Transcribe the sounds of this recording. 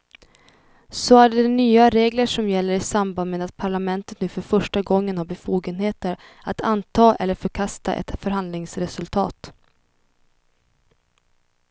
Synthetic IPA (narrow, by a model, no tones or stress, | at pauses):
sɔæɖɛɛnyːaɾeːɡləʂɔmjɛlːəɾɪsambanmeːd̪at̪̚pʰaɭamɛnt̪ət̪nʉ̟ːfœɾfœʂʈaɡɔŋːənhaɾbɛfuːɡənɦeːt̪əɾat̪ʰant̪ʰɑːʔɛ̰lːəɾfœɾkʰast̪a̰ʔɛ̰t̪fœɾɦand̪lɪŋsɾɛsɵlt̪ʰɑːt̪